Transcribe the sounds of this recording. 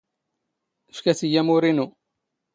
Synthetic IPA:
fkæsijæmuɾinu

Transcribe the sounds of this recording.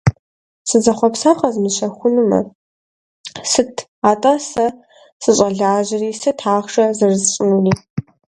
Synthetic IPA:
sɨzɐχʷɔpsaːχɐzmɨzɕɐxʷʊnɨmɐ̰ | sɨtʰ | aːtʼɐsɐ | sɨɕʼɐɮaːʑɐriːsɨtʰaːχʂʼɐzɐrɨzɕʼɪnuniː

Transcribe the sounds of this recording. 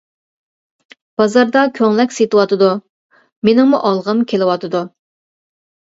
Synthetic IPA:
b̥ɑzɑɾd̪ɑkʲʰøŋlɛkʲset̪ɨwɑt̪ɨd̪u | menɪŋmuʔɑlˠʁəmkʲʰelɨwɑt̪ɨd̪u

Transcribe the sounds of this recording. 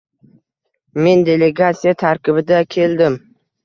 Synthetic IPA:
me̞nd̪e̞le̞ɡat̪sijat̪ʰaɾkʲɪbɪd̪akʲʰe̞ld̪ɪm

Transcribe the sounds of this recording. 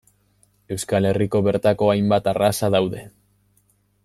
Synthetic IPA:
e̞wskale̞riko̞βe̞ɾt̪ako̞ajmbat̪arasaðawðe̞

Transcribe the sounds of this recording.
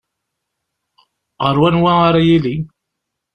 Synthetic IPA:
ʁəɾwænwaaɾajili

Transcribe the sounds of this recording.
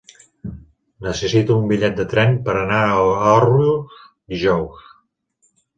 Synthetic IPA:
nəsəsit̪uːmbiʎɛt̪̚d̪ət̪ɾɛnpəɾənaəɔriu | d̪iʒɔws

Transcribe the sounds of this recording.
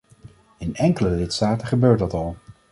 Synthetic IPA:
ɪnɛŋkələlɪtstaːtəχəbøːɹtdɑtɑlˠ

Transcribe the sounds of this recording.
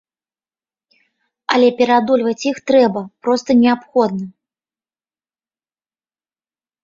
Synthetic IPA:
ɐlʲɛpʲɛɾad̪ulʲvɐt͡sʲjixt̪ɾɛbɐpɾɔst̪ɐnʲɛapxɔd̪̚nɐ

